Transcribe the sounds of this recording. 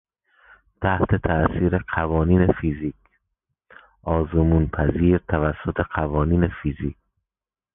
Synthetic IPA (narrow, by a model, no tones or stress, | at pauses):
t̪ʰæht̪ʰet̪ʰæʔsiːɾeqævɒːniːnefiziːkʰ | ʔɒːzomuːnpʰæziːɾt̪ʰævæsːot̪ʰe̞qævɒːniːnefiziːk̚